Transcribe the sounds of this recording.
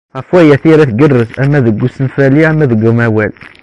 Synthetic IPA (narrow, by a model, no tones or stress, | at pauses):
ʁəfwæjæθiɾæθɡərːəsæmːæðəɡːusənfæliæmːæðəɡəmæwæl